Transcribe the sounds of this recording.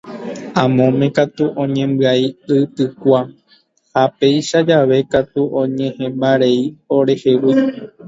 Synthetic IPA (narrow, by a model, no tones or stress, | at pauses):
ãmõ̞mẽ̞kat̪uʔõ̞ɲẽ̞mbɨaiɨt̪ɨkʷa | hape̞jʃad͡ʒaʋe̞kat̪uʔõɲẽhẽ̞mbaɾeioɾe̞he̞wi